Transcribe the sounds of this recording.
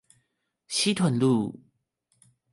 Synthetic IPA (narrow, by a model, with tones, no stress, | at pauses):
ɕi˦t̪ʰwə˨˩˦nlu˥˨